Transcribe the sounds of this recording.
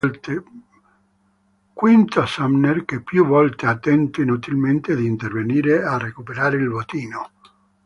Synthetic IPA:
t̪e | kwint̪asamnerkepːjuvɔlt̪eat̪ːɛnt̪inut̪ilment̪ed̪int̪erveniːɾearekupeɾaːɾeilvot̪iːno

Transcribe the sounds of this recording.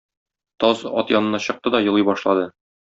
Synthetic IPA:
t̪ɒzɒ̰t̪jɒnɤ̆nɑɕɤ̆q̚t̪ɤd̪ɒjɤ̆lˠɤjbɒʃlˠɑd̪ɤ

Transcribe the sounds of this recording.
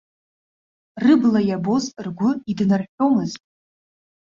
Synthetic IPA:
rɨblajabo̞zrɡʷʊidnarħʷᶣo̞mɨztʼ

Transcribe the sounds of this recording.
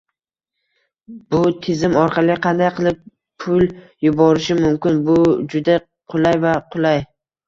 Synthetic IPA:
b̥ʊt̪ʰɪzɪmɒɾqʰɑlˠɪqʰɑnd̪ajqɨlˠɪp | pʰʊl | jʊbɒɾɪʃɪmʊmkʲɪnbʊd͡ʒʊd̪a | qʰʊlˠajvaqʰʊlˠaj

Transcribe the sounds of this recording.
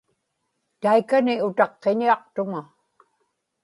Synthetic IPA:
t̪ajkanɪʊt̪ɑqːeɲiɑqt̪ʊŋa

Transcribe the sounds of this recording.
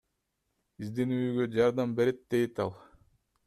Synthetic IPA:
bizd̪inyjyɡød͡ʒɑɾd̪ɑmbe̞ɾet̪̚d̪̥e̞jt̪ɑlˠ

